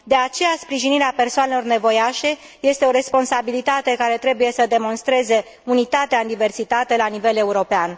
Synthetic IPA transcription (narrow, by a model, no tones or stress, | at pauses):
d̪e̞at͡ʃe̞jaspɾiʒiniɾeape̞rsoanelo̞rne̞vo̞jaʃe̞ | je̞st̪e̞o̞ɾe̞spo̞nsabilit̪at̪e̞kaɾe̞t̪ɾe̞buje̞səd̪e̞mo̞nst̪ɾe̞ze̞ | unit̪at̪eaɨnd̪ive̞rsit̪at̪e̞lanive̞le̞uɾo̞pean